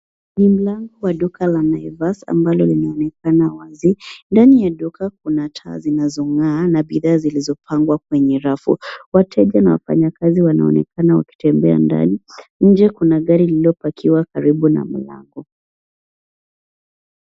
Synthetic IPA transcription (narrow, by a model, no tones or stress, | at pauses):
nim̩laŋɡɔwaɗukʰalanajvasa̰mbalɔlinaɔnɛkanawazindanijaɗukak̚unatʰa̰ːzinazɔŋaːnaɓiðaːzilizɔpʰaŋɡwak̚wɛɲɛɾafṵwatʰɛʄanawa̰fa̰ɲakaziwana̰ɔ̰nɛkanawa̰ki̥tɛmbɛa̰nda̰niɲ̩d͡ʒɛkunaɠaɾiliɔpakʰiwakaɾiɓuna̰m̩la̰ŋɡɔ